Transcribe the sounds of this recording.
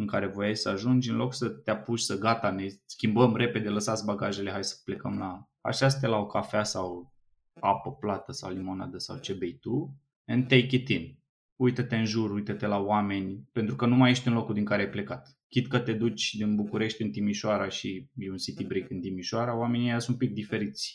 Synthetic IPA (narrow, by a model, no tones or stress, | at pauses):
ɨŋkaɾe̞vo̞jasəaʒund͡ʒʲɨnlo̞ksət̪eapuʃʲsəɡat̪ane̞skʲimbəmre̞pe̞d̪e̞ləsat̪sʲbaɡaʒe̞le̞ɦajsə̥ple̞kəmla | a̰ʃast̪elaokʰafeasaw | apəplat̪əsawlimo̞nad̪əsa̰wt͡ʃe̞bejt̪u | ɨnt̪ejkʲit̪in | ujt̪ət̪e̞ɨnʒurujt̪ət̪e̞lawame̞nʲpe̞nt̪ɾukənumaje̞ʃt̪ʲunlo̞kud̪iŋkaɾeajple̞kat̪ | kʲit̪kət̪e̞d̪ut͡ʃʲd̪inbukuɾe̞ʃt̪ʲɨnt̪imiʃoaɾaʃijeunsit̪ibɾikɨnt̪imiʃuaɾawame̞niasumpik̚d̪ife̞ɾit̪sʲ